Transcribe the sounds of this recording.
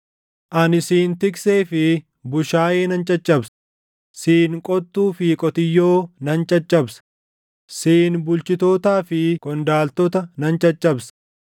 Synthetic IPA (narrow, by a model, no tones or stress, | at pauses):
ʔɐnɪsiːnt̪ɪkseːfɪ | bʊʃaːjeːnɐnt͡ʃʼɐt͡ʃʼːɐbs | siːŋkʼɔt̪ːuːfikʼɔt̪ɪjːoːnɐnt͡ʃʼɐt͡ʃʼːɐbsɐ̥ | siːnbʊlt͡ʃɪt̪o̞ːt̪aːfɪkʼɔnd̪aːlt̪ɔt̪ɐnɐnt͡ʃʼɐt͡ʃʼːɐbs